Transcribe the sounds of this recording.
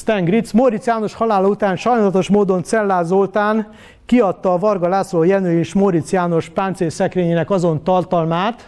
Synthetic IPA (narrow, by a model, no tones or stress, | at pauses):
st̪ɛŋɡrit̪smoɾit̪sjaːno̞ʃhɒlaːlɒut̪aːnʃɒjnaːlɒt̪o̞ʃmoːd̪o̞nt̪sɛlːaːzolt̪aːn | kiɒt̪ːɒːvɒrɡɒlaːsloːjɛnøːeːʃmoɾit̪sjaːno̞ʃpaːnt̪seːsɛkɾeːɲeːnɛkɒzo̞nt̪ɒrt̪ɒlmaːt̪